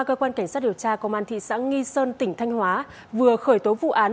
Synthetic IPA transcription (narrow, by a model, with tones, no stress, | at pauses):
kəː˧kwaː˧nka˧˩jŋsa˦˥t̚ɗi˨˩əwt͡ɕaː˧kə˧wŋ͡mʔaː˧nt̪ʰḭ˧˨sa̰ː˧˥ŋi˧səː˧nt̪ï˧˩ŋ̟t̪ʰa˧jŋ̟hwaː˨˦ | vɨ˨˩əxəː˧˩jt̪o˨˦vṵ˧˨ʔaː˨˦